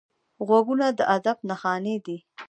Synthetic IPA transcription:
ɣwaɡunad̪əʔad̪ab̚naxɑned̪i

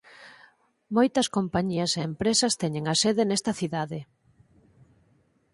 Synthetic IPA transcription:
mojt̪ɐskompaɲiɐseempɾesɐst̪ɛɲeŋaseðenɛst̪ɐθiðaðe

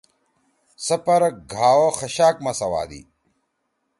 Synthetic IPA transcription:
sɐpɐɾɐɡʱaːwoxɐɕaːk̚mɐsɐwa̰ːd̪ḭ

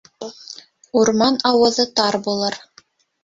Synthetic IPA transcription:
uɾmɑnɑwɤ̆ðɤt̪ɑɾbulˠɤɾ

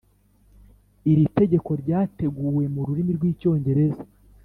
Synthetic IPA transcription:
iɾite̞ɟe̞ko̞ɾɟaːte̞ɡuːwe̞muɾuɾimiɾɡwiːco̞ːɲɟe̞ɾe̞za

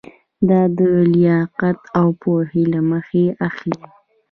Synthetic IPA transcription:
d̪ɑd̪əljɑqat̪awpohelaməxeaxli

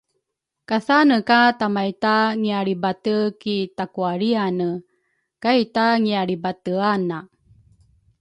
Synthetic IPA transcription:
kasanəkatamajtaŋiaɾibatəkitakuaɭianə | kajtaŋiaɾibatəana

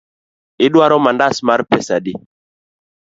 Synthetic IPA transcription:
ɪdwaɾɔmandasmaɾpɛsadi

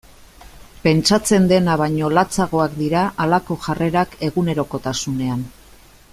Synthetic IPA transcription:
pe̞nt͡ʃat͡se̞nd̪e̞naβ̞aɲo̞lat͡saɣ̞o̞akd̪iɾaʔalako̞ʝare̞ɾake̞ɣune̞ɾo̞ko̞t̪asune̞an

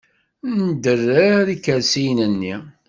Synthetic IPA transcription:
nd̪ərːæɾikːəɾsijnənːi

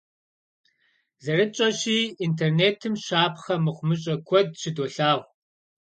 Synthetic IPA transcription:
zɐrɨt͡ʃʼɐʃiːintʰerneːtʰɨmɕaːpʰχɐmɨχʷʊmɨɕʼɐkʷʰɔd̚ɕɪdoːɬaːʁ

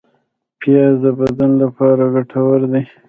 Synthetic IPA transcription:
pjɑzəbad̪anlapɑɾaɡaʈʰawaɾd̪i

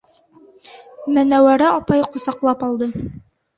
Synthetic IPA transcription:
mænæwæɾæɒpɑjqusɑqlˠɑpɑlˠd̪ɤ

